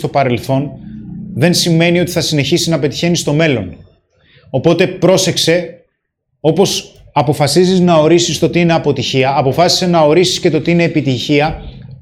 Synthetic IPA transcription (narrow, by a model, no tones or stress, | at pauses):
t̪opɐɾe̞lθo̞nðe̞nsimːe̞nio̞t̪i̥θɐsine̞çisinɐpe̞t̪i̥çe̞nist̪o̞me̞lo̞n | o̞po̞t̪e̞pɾo̞se̞kse̞ | o̞po̞s | ɐpo̞fɐsiziznɐo̞ɾisist̪o̞t̪iine̞ɐpo̞t̪içiɐːpo̞fɐsi̥se̞nɐo̞ɾisi̥sce̞t̪o̞t̪iine̞ːpit̪içiɐ